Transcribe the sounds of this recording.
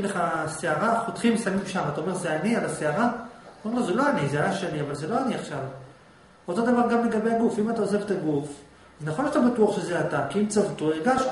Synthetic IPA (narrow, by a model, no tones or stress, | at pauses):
emleχaseaʁaχot̪χimsamimʃamat̪aome̞ʁzeanialaseaʁataome̞azelo̞anizeajaʃeliavalzelo̞aniaχʃav | o̞t̪o̞d̪avaʁɡamle̞ɡabe̞jaɡufimat̪ao̞zevet̪aɡuf | aznaχo̞nlʃat̪abatuaχʃezeat̪akiimt͡savut̪oeɡaʃ